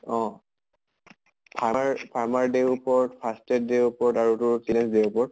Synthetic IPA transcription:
ɔ̃ | pʰaaɹpʰaɹmaɹdeupɔɹtpʰastɛt̚deupɔɹtaɹutʊɹsinɛsdeupɔɹt̚

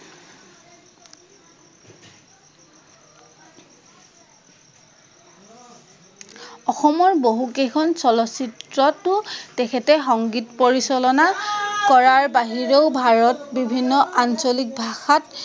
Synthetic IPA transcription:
ɔxɔmɔɹboɦukejkʰɔnsɔlɔsitɹɔtʊtɛkʰɛtɛxɔŋɡitpoɹisɔlɔnakɔɹaɹbaɦiɹeʊbʱaɹɔtbibʱinːɔʔansolik̚bʱaxat

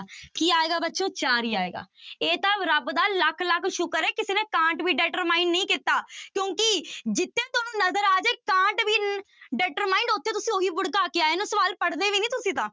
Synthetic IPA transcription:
kiːaːeːɡaːbətːʃõːt͡ʃaːɾiːaːḛːɡa̰ːeːt̪ãːɾəbd̪aːləkʰləkʰʃʊkəɾɛːkɪseːneːkãːʈʋiːɖɛːʈəɾmaːɪ̃ɳɖnəĩːkɪt̪aːkjõːkɪd͡ʒɪt̪ʰːeːt̪ʊːnũːnəzəɾaːd͡ʒeːkãːʈʋiːɖɛːʈəɾmaːĩːɳɖʊt̪ʰːeːt̪ʊsĩːoːiːbʊɽkaːkeːaːeːnũːsəʋaːlpəɽd̪eːʋiːnĩːt̪ʊsĩːt̪ãː

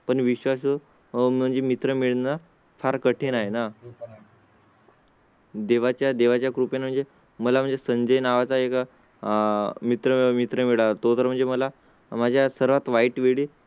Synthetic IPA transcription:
pəɳʋiɕʋaso | m̤əɳd͡zemit̪ɾəmiɭna | faɾkəʈʰenaɦena | d̪eʋat͡ɕjad̪eʋat͡ɕjakɾupenm̤əɳd͡ze | məlam̤əɳd͡zesəɲd͡ʑəjnaʋat͡saek | mit̪ɾəmit̪ɾəmiɭat̪ot̪əɾm̤əɳd͡zeməla | mad͡ʑʱjasəɾʋat̪ʋaiʈʋeɭiː

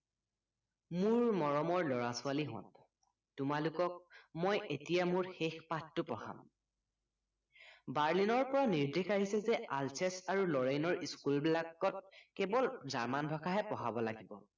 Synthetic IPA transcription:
muɹmɔɹɔmɔɹlɔɹasʊaliɦɔ̰̃n | tʊmalʊkɔk̚mɔjetijamʊɹxexpatːʊpɔha̰m | baɹlinɔɹpɔɹaniɹdʱexaɦisɛzɛʔalsɛsaɹulɔɹejnɔɹʔiskulbilaɡɔt̚kɛbɔlzaɹmanbʱakʰaɦɛpɔɦabɔlaɡibɔ̰

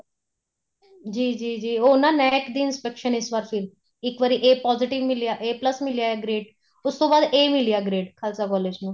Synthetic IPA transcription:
d͡ʒiːd͡ʒiːd͡ʒiːoːnãːnɛːkd̪iːɪnspɛkʃənɪsʋaːɾpʰɪɾ | ɪkʋəɾiːʔeːpɔːzɪʈɪʋmɪlijaːʔeːpləsmɪlijaːeɡɾeːɖ | ʊst̪õːbaːd̪eːmɪlijaːɡɾeːɖkʰəlsaːkɔːleːd͡ʒnũː

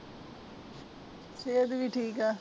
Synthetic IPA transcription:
seːəd̪ʋiʈʰiːkɛː

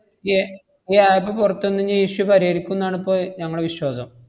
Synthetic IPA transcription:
e | eaːjipːopurɐt̪ːonːɐɲːɐiːɕupɐɾɐjɐɾikʲːunːaːɳipːoːɲɐŋːɐɽeʋiɕwaːsɐm

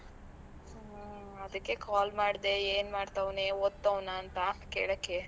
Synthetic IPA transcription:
ɐd̪ɐkːe̞kaːlmaːɽd̪eeːnmaːɖt̪ɐʋneod̪ːɐʋnaːnt̪ɐkḛːɭokːe

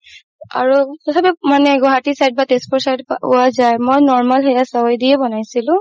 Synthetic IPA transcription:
a̰ɹutɔtʰapɛmanɛɡɔɦatisajd̚batespʰɔɹsajdpaʊwazajmojnɔɹmalɦɛjasawjdiɛbɔnajsilʊ̃

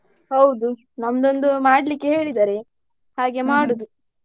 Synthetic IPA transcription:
hɐwd̪u | nɐmɐd̪o̞nd̪umaːɽlikːeɦe̞ːɭid̪aːɾe̞ | haːɡe̞maːɽud̪u

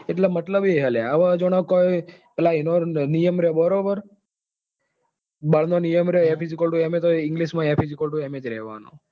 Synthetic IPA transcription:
eʈlemət̪ləbeɦəleaʋad͡ʒoɽ̃akojpɛlainonijəmɾeobəɾobəɾ | bəɭ̤nonijəmɾeoepizikəlʈuemet̪oɪŋɡliʃmãepʰizikəlʈ̬uemed͡ʒɾɛ̰ɦʋa̰no̰

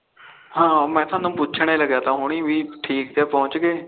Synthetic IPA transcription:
hãːmɛ̃ːt̪ʰãːnũːpʊt͡ʃʰɽ̃eːləɡjaːt̪ãːɦʊɳ̃iːʋiːʈʰiːk̚t̪eːpɔ̃ːʊt͡ʃɡeː

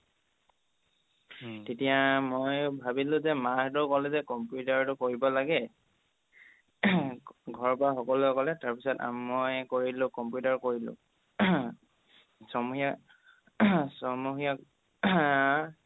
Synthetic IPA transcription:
tetijamojbʱabilʊ̃zɛmaɦtʊkɔlɛzɛkɔmpjutaɹtʊkoɹibɔlaɡɛ | ɡʱɔɹpɔaxɔkɔluɔkɔlɛtaɹpisɔta̰mːojkoɹilʊ̃kɔmpjutaɹkoɹilʊ̰̃ | sɔmuxia | sɔmuɦiak

